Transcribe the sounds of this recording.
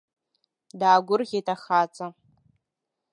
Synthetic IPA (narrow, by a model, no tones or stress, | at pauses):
daːɡʷʊrɣʲetʼaχat͡sʼa